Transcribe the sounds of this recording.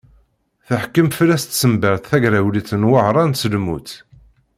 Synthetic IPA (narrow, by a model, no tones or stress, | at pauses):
θəħkːəmflæst̪səmbəɾθθæʝɾæwliθənwəʕɾˤɑnsəlmṵθ